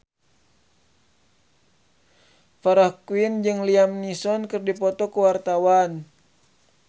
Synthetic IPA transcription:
faɾahkuwind͡ʒɨŋliamnisɔnkɨrdipɔt̪ɔkuwart̪awan

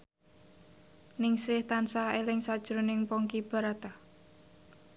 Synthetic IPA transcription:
nɪŋsɾɪht̪ansaelɪŋsad̥ʒ̥ɾonɪŋpɔŋkib̥a̤ɾat̪a

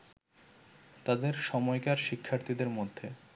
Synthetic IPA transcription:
t̪ad̪eɾʃɔmɔekaɾʃikʰːaɾt̪id̪eɾmod̪ʱːe

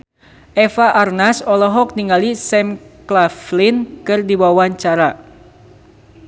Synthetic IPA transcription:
ʔɛfaʔarnasɔlɔɦɔk̚niŋalisɛmklaflinkɨrdiwawaɲt͡ʃaɾa

